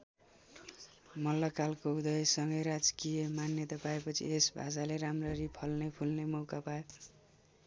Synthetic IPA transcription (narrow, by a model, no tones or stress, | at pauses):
mʌlːʌkalkoud̪ʌjsʌŋɡʌjɾad͡zkijʌmanjʌt̪apaepʌt͡sʰḭesbʱa̰saleɾamrʌɾipʰʌlnepʰulnemʌwkapae